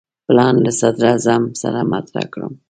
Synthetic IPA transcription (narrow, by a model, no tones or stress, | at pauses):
plɑnlasad̪ɾɑzamsaɾamat̪ɾa̰kɽə̰m